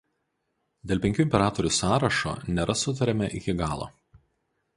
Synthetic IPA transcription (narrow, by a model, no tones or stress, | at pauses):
d̪ʲeːlˠʲpʲɛŋʲkʲuːɪmʲpʲɛɾɑːt̪ɔɾʲuːsɑːɾɐʃo̰ːnʲeɾʔɐsʊt̪̬ɐɾʲɛmʲɛʔɪkʲɪɡɑːlˠo̰ː